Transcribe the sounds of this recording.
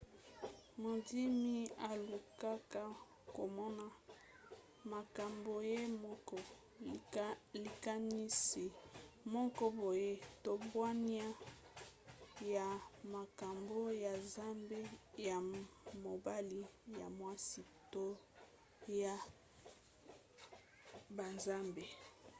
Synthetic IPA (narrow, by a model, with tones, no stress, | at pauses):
mo˨di˦mi˦a˨lu˨ka˦ka˦ | ko˨mɔ˦na˨ | ma˨ka˨mbo˨je˦mɔ˦kɔ˦ | li˨ka˦ni˦si˨mɔ˦kɔ˦bo˨je˦to˨bwa˦ni˦a˦ | ja˨ma˨ka˨mbo˦ja˨za˦mbe˦ja˨mo˨ba˦li˦ja˨mwa˦si˦to˦ | ja˨ | ba˨nza˦mbe˨